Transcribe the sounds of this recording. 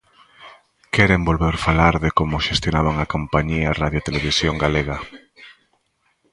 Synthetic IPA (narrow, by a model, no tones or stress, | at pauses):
keɾembolβeɾfalaɾðekomoʃest̪jonaβaŋakompaɲiaraðjot̪eleβ̞isjoŋɡaleɣa